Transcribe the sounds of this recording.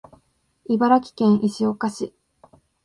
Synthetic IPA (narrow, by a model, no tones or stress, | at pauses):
ibaɾakʲi̥kẽ̞ɰ̃ʔiɕio̞kaɕi